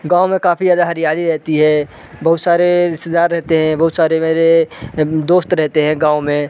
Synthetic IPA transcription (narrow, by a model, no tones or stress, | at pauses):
ɡãːomẽkaːpʰijaːd̪aɦɐɾijaːliɾɛɦt̪iɦɛː | bɐɦʊt̪saːɾeɪst̪ed̪aːɾːɛɦt̪eɦɛ̃bɐɦʊt̪saːɾemeːɾe | d̪oːst̪ɾɛɦt̪eɦɛ̃ɡãːomẽ